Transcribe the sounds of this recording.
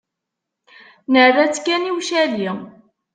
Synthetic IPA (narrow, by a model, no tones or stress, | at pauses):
nəʕræt͡sːkːæniwʃæli